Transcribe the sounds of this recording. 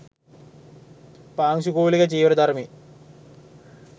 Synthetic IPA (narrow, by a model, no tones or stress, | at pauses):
paːŋɕukoːliɣɐt͡ɕiːʋɐɾɐd̪ɐrmi